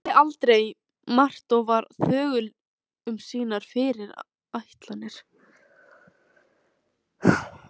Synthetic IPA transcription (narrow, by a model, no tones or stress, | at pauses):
ɪʔalt̪ɾej | mar̥t̪ɔwvaɾθœːɣʏl | ʏmsiːnaɾ̥fɪɾɪɾ | ajht̪lanɪɾ̥